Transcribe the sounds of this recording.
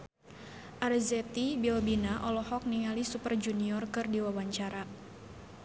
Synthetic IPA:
ʔarzɛt̪ibiɔlbinaʔɔlɔhɔk̚nialisupərd͡ʒuniɔrkɨrdiwawaɲt͡ʃaɾa

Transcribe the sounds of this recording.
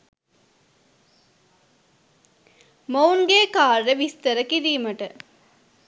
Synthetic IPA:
mɐwnɡeːkaːɾːeʋist̪əɾəkiɾiːmɐʈə

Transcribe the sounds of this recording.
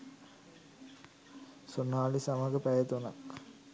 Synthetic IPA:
sonaːlisamaɡəpæjət̪onak

